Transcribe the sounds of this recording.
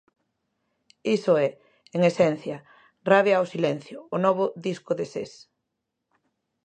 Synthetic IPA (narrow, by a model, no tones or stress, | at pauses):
isʊɛ | eŋesɛn̟θjɐ | raβjɐːwsilɛn̟θjʊːnɔβʊðiskʊðesḛs